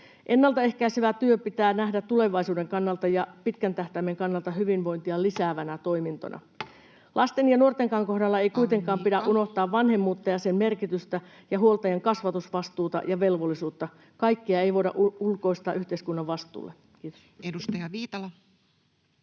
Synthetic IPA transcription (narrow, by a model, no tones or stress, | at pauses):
ʔe̞nːɑlt̪ɑe̞hkæiseʋæt̪yøpit̪æːnæhdæt̪t̪ːule̞ʋɑisuːde̞ŋkɑnːɑlt̪ɑjɑpit̪kænt̪æht̪æmːe̞ŋkɑnːɑlt̪ɑhyʋinʋo̞int̪iɑlisæːʋænæt̪o̞imint̪o̰nʔɑ̰ | lʔɑst̪enjɑnuo̞rt̪eŋkɑːŋko̞hdɑlːɑe̞ijkuijt̪e̞ŋkɑːmpidæʔʔuno̞ht̪ɑːʋʋɑnhe̞mːuːt̪ːɑjɑsemme̞rkit̪yst̪æ | jɑɦuolt̪ɑjɑŋkɑsʋɑt̪usʋɑst̪uːt̪ɑ̰jɑʋe̞lʋo̞lːisuːt̪ːɑ | kɑjkːiɑe̞jʋo̞iɾɑ̰ʔulko̞ist̪ɑːʔyht̪eiskunːɑʋʋɑst̪ˑṵːlːe | kiːt̪o̥ | edust̪ɑjɑʋiːt̪ɑlɑ